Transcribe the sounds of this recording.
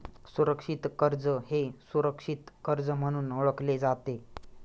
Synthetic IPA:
suɾəkʂit̪kəɾd͡zəhesuɾəkʂit̪kəɾd͡zəm̤əɽ̃uːnoɭəkled͡zat̪e

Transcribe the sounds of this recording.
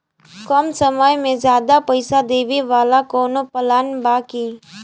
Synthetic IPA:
kɔmsəməjmẽzjaːd̪apəɪsad̪eːʋiʋaːlakoːnopəlaːnbaːki

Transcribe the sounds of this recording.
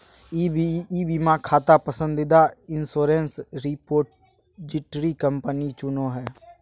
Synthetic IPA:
ibiːbimãkʰaːt̪apəsə̃nd̪ɪd̪aɪnsoːɾẽnsɾipoːɾʈ | d͡ʒɪʈɾikəmpənit͡ʃʊnoɦɛː

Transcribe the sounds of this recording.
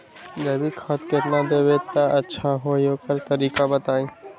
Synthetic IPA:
ɡɐɾbikʰɐt̪ket̪nãd̪eːʋet̪ɐʔɐtːʃʰaɦoːijoːkɐɾt̪ɐɾiːkabɐt̪aːĩː

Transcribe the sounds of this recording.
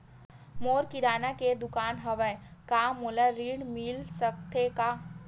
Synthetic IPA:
moːɾkiɾaːnaked̪ʊkaːnɦɐʋəkaːmulaɾiːɽmilsək̚t̪ʰekaː

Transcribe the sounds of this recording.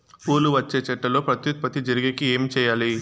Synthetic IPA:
puːluʋɐt͡ʃːe̞ːt͡ʃɛʈːɐlo̞ːpɾɐt̪jut̪̚pɐt̪id͡ʒɐɾiɡikieːmit͡ʃɛːjaːli

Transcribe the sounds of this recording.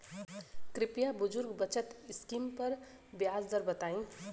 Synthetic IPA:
kɾipjabud͡ʒuɾɡbʌt͡ʃʰʌt̪iskimpʌɾ | bjazd̪ʌɾbət̪aĩ

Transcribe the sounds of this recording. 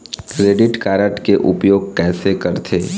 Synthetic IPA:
kɾeːɖɪʈkaːɾəʈkeʔʊpjoːɡ̚kɛːsekɐɾt̪ʰeː

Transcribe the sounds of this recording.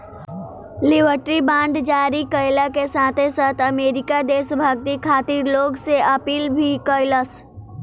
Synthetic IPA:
lɪbʱəɾʈɾibãːɳɖd͡ʒaːɾikəɪlakesaːt̪ʰesaːt̪ʰɐmeːɾɪkad̪eːsbʱəɡ̚t̪ikʰaːt̪ɪɾloːɡseʔɐpiːlbʱikɔːɪləs

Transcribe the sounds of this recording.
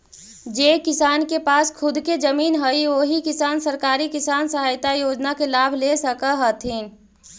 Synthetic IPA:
d͡ʒeːkɪsaːnkepaːskʰʊd̪ked͡ʒəmiːnɦəiʋoːɦikɪsaːnsəɾkaːɾikɪsaːnsəɦaːjt̪ajoːd͡ʒnakelaːbʱlesəkaɦət̪ʰiː

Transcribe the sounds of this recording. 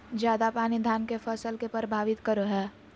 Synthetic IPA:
d͡ʒjaːd̪apaːnid̪ʱaːnkefʰəsəlkepəɾbʱaːʋɪt̪kəɾoɦɛː

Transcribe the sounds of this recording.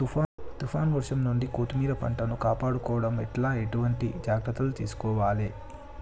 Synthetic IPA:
t̪upʰaːt̪upʰaːnʋɐɾʂɐmnuɳɖikoːt̪umiːɾɐpɐ̰ɳʈɐnukaːpaːɽukɔːʋɐɽɐmɛʈlaːeʈuʋɐɳʈid͡ʒaːɡɾɐt̪ːɐlut̪iːsu̥kɔːʋaːleː

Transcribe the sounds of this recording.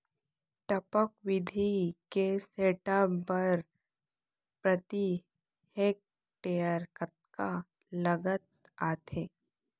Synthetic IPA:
ʈɐpəkʋɪd̪ʱikeseːʈabəɾ | pɾət̪i | heːk̚ | ʈejəɾkət̪̚ka | ləɡət̪̚ | aːt̪ʰeː

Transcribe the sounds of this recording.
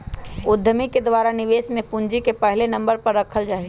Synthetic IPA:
ʊd̪ʱːəmiked̪waːɾanɪʋeːsmẽpʊ̃nd͡ʒikepəɦlenɐ̃mbəɾpɐɾːɐkʰəld͡ʒaːi

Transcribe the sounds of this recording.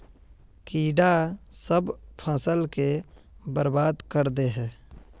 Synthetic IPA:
kiːɖasəbpʰəsəlke | bəɾbaːd̪kəɾd̪eɦɛ̃ː

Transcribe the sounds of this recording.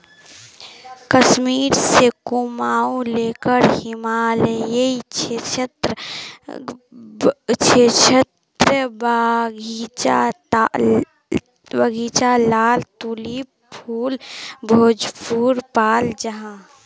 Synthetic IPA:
kəsmiːɾsekumaːuleːkəɾhimaːlejeit͡ʃʰet͡ʃʰət̪ɾə | t͡ʃʰet͡ʃʰət̪ɾəbaɡʱit͡ʃa | bəɡʱiːt͡ʃalaːlt̪uːli | pʰuːlbʱoːd͡ʒpuːɾpaːld͡ʒəɦã

